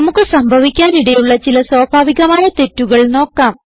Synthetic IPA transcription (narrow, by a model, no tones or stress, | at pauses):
ɐmukːɨsɐmbʱɐʋikʲːaːniɽejuɭːɐt͡ɕilɐswɐːbʱaːʋiɣɐmaːjɐt̪e̞tːuɣɐɭno̞ːkːaːm